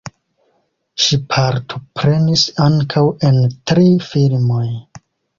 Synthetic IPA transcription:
ʃipʰaɾtʰo̞pɾe̞nisaŋkʰawe̞ntɾifilmo̞j

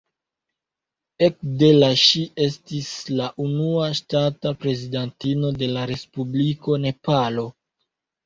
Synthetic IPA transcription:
e̞kde̞laʃie̞stislaʔunuaʃtatapɾe̞zidantino̞de̞laɾe̞spubliko̞ne̞palo̞

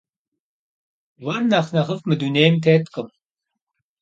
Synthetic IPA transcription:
wɐrnɐχnɐʁəfmɨd̪uneːjmt̪ʰeːt̪kʼɨm

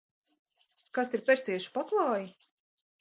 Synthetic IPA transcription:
kasiɾpʲɛɾsiɛʃu̥paklˠɑːji

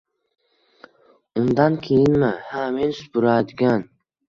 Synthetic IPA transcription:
ʊnd̪ankʲʰejɪnmɪhamensʊ̥pʊɾad̪ɪɡʲan

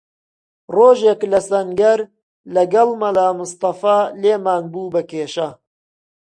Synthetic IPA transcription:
roːʒeːklɐsɐŋɡɐɾ | lɐɡɐlˠmɐlaːmʊst̪ɐfaːleːmaːnbuːbɐkeːʃɐ

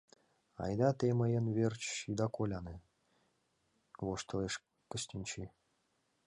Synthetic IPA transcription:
ɑ̰jd̪ɑt̪eməjənβert͡ɕʃid̪ɑkolʲɑne | βoʃt̪ə̆leʃ | kəɕtʲinʲt͡ɕi

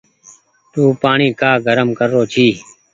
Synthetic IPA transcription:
t̪uːpaːɳiːkaːɡʱəɾəmkəɾːoːt͡ʃʰiː

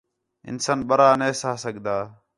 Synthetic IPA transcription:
ɪ̰nsənɓəɾaːneːsaːsəɠʱd̪aː

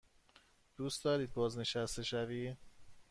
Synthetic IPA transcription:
d̪̥uːst̪ɒːɾiːd̪̚bɒːzne̞ʃæst̪e̞ʃævi̥ː

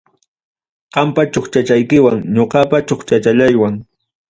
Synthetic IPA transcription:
qɑmpat͡ʃoχt͡ʃat͡ʃajkɪwaŋɲoqɑpat͡ʃoχt͡ʃat͡ʃaʎajwaŋ

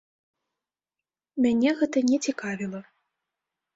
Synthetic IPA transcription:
mʲanʲɛɣɛt̪ɐnʲɛt͡sʲikavʲilˠɐ

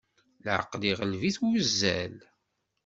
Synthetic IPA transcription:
lʕə̰qːliʁəlviθwəzːæl

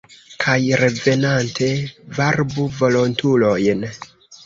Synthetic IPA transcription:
kʰajɾe̞ve̞nantʰe̞vaɾbuvo̞lo̞ntulo̞jn

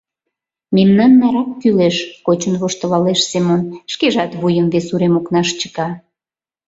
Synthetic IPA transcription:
memnɑnːɑɾɑkːyleʃkot͡ɕənβoʃt̪ə̆lɑleʃsemonʃkeʒɑt̪βujəmvesuɾemoknɑʃt͡ɕə̥kɑ

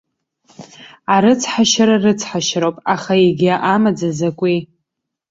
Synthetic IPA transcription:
aɾɨt͡sʰħaʃaɾarɨt͡sʰħaʃɾowpʼaχaeɡʲiaʔamad͡zazakʷʼi

